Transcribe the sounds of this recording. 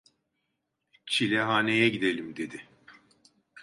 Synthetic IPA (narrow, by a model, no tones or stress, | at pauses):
t͡ʃʰilʲɛɦaːnejɛɟid̪e̞lʲimd̪e̞d̪ɪ